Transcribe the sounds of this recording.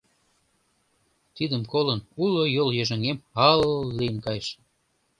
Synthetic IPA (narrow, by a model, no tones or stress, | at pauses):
t̪id̪əmkolənulojoljøʒə̆ŋemɑlːijənkɑjəʃ